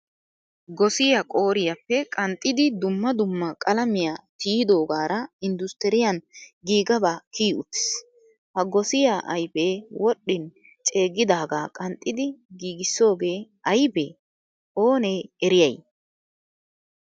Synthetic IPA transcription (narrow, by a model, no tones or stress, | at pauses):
ɡɔsɪjakʼo̞ːɾɪjɐpːɛkʼɐnt̪ʼːɪd̪ɪd̪ʊmːɐd̪ʊmːɐkʼɐlɐmɪjat̪iːɪd̪o̞ːɡaːɾɐɪnd̪ʊst̪ɛɾɪjɐnɡiːɡɐbaːkiːʊt̪ːɪ̥s | hɐɡɔsɪjaʔɐjbeːwɔɗːɪn | t͡ʃʼe̞ːɡɪd̪aːɡaːkʼɐnt̪ʼːɪd̪ɪɡiːɡɪsːo̞ːɡe̞ː | ɐjbḛː | o̞ːneːɛɾɪjɐj